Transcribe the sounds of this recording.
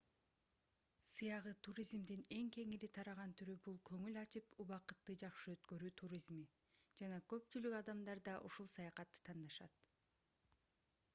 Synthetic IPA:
sɯjɑʁɯt̪ʰuɾʲizmd̪ine̞ŋke̞ŋiɾit̪ʰɑɾɑʁɑnt̪ʰyɾybulˠkʰø̞ŋylɑt͡ʃɯpuβɑqɯt̪ːɯd͡ʒɑqʃɯø̞t̪kø̞ɾyːt̪ʰuɾʲizmi | d͡ʒɑnɑkø̞p̚t͡ʃylykɑd̪ɑmd̪ɑɾd̪ɑʔuʃulˠsɑjɑqɑt̪ːɯ̥t̪ʰɑnd̪ɑʃɑt̪

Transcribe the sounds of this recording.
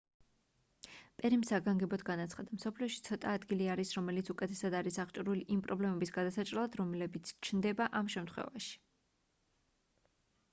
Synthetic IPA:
pʼɛɾimsaɡaŋɡɛbɔd̪ɡanat̪sʰχad̪amsɔpʰliɔʃit̪sʰɔt̪ʼaːd̪ɡiliaɾisɾɔmɛlit̪sʰukʼɛt̪ʰɛsad̪aɾisaʁt͡ʃʼɾuliʔimpʼɾɔblɛmɛbisɡad̪asat͡ʃʼɾɛlˠad̪ɾɔmɛlɛbit̪sʰt͡ʃʰnd̪ɛbaʔamʃɛmt̪ʰχwɛ̰vaʃi̥

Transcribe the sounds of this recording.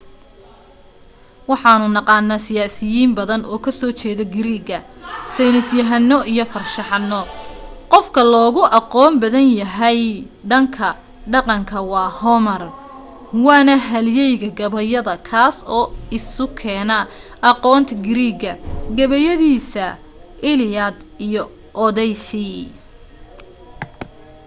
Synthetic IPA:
wɑħɑːnʊnɑqɑːnːaːsɪjaːsɪjiːmbɐðɐnʔɔːkʰɐsɔːt͡ʃɛːðɐɡɪɾiːɡɐsɛjnɪsjɐɦɐnːɔʔijɞfɐrʃɑħɑnːɔqɔfkʰɐlɔːɣʊʔɑqɔːmbɐðɐnjɐɦɛj | ɖɐŋkʰɐ | ɖɑqɑŋkʰɐwɑːhɔmɐr | wɑːnɐɦɐljɛjɣɐɡɐβɐjɐðɐkʰaːsɔːɪsʊkʰɛːnɐʔɑqɔːnt̪ʰɐɡɪɾiːɡɐɡɐβɐjɐðiːsɐ | ʔɪlɪjɐd̪ijɔ | ʔɔðɛjsi

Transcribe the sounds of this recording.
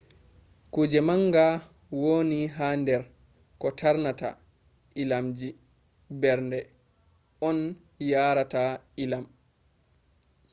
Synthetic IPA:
kud͡ʒɛmaŋɡa | woːniɦaːndɛɾ | kɔtʰaɾnata̰ | ʔilamd͡ʒi | bɛɾndɛ | ɔn | jaːɾatailam

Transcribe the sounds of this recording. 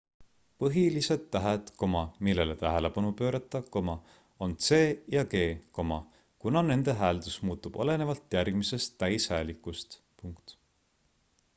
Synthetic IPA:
pɤɦilise̞d̪ːæɦet̪ko̞mɑmilːe̞le̞t̪æɦele̞pɑnupø̞ːɾɑt̪ːˑɑko̞mɑ | o̞nt̪se̞ːjɑke̞ːko̞mɑ | kunɑne̞nd̪̥e̞ɦæːld̪̥usmuːt̪ːˑub̥o̞̰le̞ne̞vɑlt̪ːjærɡ̥mise̞st̪ːæjshæːlikːˑust̪ | puŋkt̪

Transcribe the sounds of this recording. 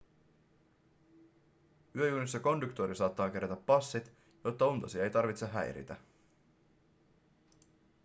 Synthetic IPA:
yøjuːnisːɑko̞ndukt̪oɾisɑːt̪ːɑːk̟eɾæt̪æpːɑsːit̪ | jo̞t̪ːɑunt̪ɑsiɑejt̪ɑrʋit̪seɦæ̰jɾḭt̪æ

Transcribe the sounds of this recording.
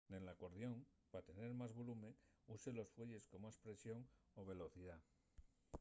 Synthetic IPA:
enlako̞ɾðjo̞ŋpat̪e̞ne̞ɾmazβo̞lumẽ̞ŋ | use̞lo̞sfwe̞ʎe̞sko̞maspɾe̞sjo̞ŋo̞β̞e̞lo̞θiða

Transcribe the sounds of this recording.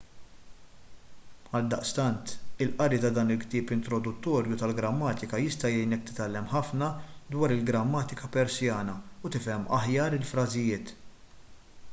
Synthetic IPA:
ɐld̪ɐʔst̪ɐnt̪ɪlʔɐɾit̪ɐd̪ɐːnɪlkt̪ɪːpɪnt̪ɾɔd̪ʊt̪ːɔːɾjut̪ɐlɡɾɐmːɐːt̪ɪkɐjɪst̪ɐjɛjnɛk̚t̪ɪ̥t̪ɐlːɛmħɐfnɐd̪wɐːɾɪlɡɾɐmːɐːt̪ɪkɐpɛɾsjɐːnɐʊt̪ɪfɛmːʔɐ̰ħjɐːɾɪlfɾɐzɪjɪːt̪

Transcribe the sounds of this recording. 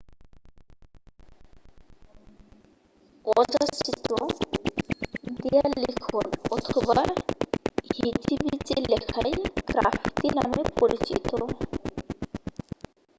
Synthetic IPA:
ɔd͡ʑasit̪o | d̪ijalikʰonɔt̪ʰoba | hit̪ibit͡ɕelɛkʰajkɾa̰fʰi̥t̪ina̰mepoɾit͡ɕit̪o

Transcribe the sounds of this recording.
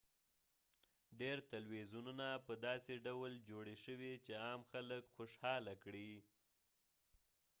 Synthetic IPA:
ɖeɾt̪alwezununapəd̪ɑseɖawld͡ʒoɽeʃəwit͡ʃeɑmxaləkxoʃhɑlakɽi

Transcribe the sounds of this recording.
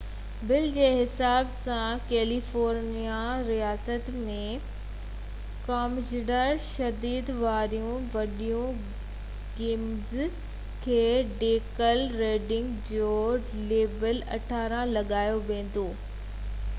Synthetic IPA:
bɪld͡ʑeːɦɪsaːbsãkeːlifoːɾnijaɾijaːsət̪mẽ | kaːmd͡ʑɪɖəɾʃɐd̪iːd̪ʋaːɾijũʋɐɗijũ | ɡeːmz | kʰeːɖeːkəlɾeːɖɪ̃ŋɡd͡ʑoː | leːbəlɐ̰ʈʰaːɾãlɐɠaːjoʋẽːn̆d̪oː

